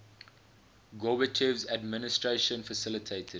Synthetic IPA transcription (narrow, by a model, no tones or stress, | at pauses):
ɡɔbət͡ʃʰɛvzædmɪnɪstɹeʃə̃nfəsɪlɪtʰeɪtʰəd